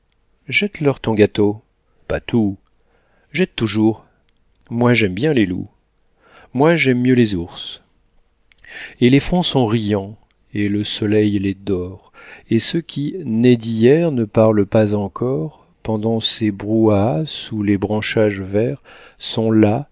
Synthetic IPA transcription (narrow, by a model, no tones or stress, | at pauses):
ʒɛt̪lœʁt̪ɔ̃ɡat̪o | pat̪ʰu | ʒɛt̪ːuʒuːʁ | mwaʒɛmbjɛ̃lelṵ | mwaʒɛmːjølezuʁs | elefχɔ̃sɔ̃ʁijɑ̃ | eləsɔlɛjled̪ɔʁesəkʲʰinɛd̪ijɛʁnəpaʁlpazɑ̃kʰɔʁ | pɑ̃d̪ɑ̃sebʁuasulebʁɑ̃ʃaʒvɛʁ | sɔ̃la